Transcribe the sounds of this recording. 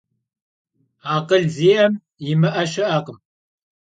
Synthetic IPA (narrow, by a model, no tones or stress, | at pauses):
aːqəɮziːʔɐm | jɪmɨʔɐʃɐʔɐqəm